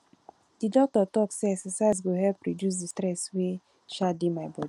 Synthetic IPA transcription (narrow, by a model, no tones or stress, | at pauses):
d̥idɔk̚tɔtɔksɛsɛsais̬ɡoɦɛlpɹodjus̬distɾɛswe | ʃadimaɪbɔdi